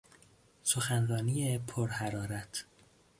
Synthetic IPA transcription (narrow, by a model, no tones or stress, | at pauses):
soxænrɒːniːjepʰoɾhæɾɒːɾæt̪ʰ